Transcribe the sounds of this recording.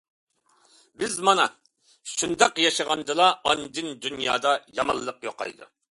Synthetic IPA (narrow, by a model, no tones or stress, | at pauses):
bɪzmɑnɑ | ʃund̪ɑqjɑʃəʁɑnd̪ɨlˠɑɑnd̪ɨnd̪ynjɑ̰ːd̪ɑjɑmɑ̰lˠːəqjoqɑ̰jd̪ṵ